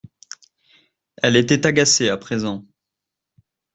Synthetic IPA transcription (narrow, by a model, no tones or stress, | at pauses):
ɛlet̪ɛt̪aɡaseapχezɑ̃